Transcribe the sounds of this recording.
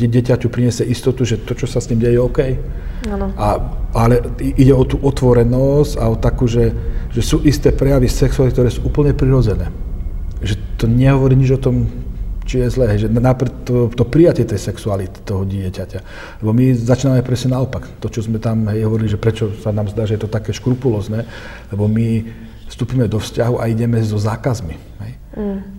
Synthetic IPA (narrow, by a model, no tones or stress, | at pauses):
ɛɟɪɛcacupɾiɲɛsɪɛʔist̪ɔt̪uʒɛt̪ɔt͡ʃɔsast̪iːmɟɛjɛjɛɔkɛj | anʔaalɛiɟɛɔt̪uːʔɔt̪ʋɔɾɛnɔscaɔt̪akuːʒɛʒɛsuːʔist̪ɛːpɾɛjaʋisɛksualikt̪ɔɾɛːsuʔuːpl̩ɲɛpɾiɾɔd͡zɛnɛː | ʒɛt̪ɔɲɛɦɔʋɔɾiːɲid͡ʒɔt̪ɔmt͡ʃijɛzlɛːɦɛjʒɛnnapɾɛt̪ːɔt̪ɔpɾijacɪɛt̪ɛjsɛksualit̪i̥t̪ɔɦɔɟɪɛcaca | lɛbɔmizat͡ʃiːnamɛpɾɛsɲɛnaɔpakt̪ɔt͡ʃɔzmɛt̪amɦɛjɦɔʋɔɾiliʒɛpɾɛt͡ʃɔsanaːmzd̪aːʒɛjɛt̪ɔt̪akɛːʃkɾupulɔːznɛː | lɛbɔmi | fst̪uːpiːmɛd̪ɔfscaɦuʔaiɟɛmɛzɔzaːkazmi | ɦɛj